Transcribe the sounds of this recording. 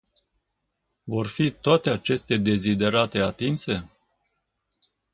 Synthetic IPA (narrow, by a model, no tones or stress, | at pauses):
vo̞rfit̪oat̪e̞at͡ʃe̞st̪ed̪e̞zid̪e̞ɾat̪e̞at̪inse̞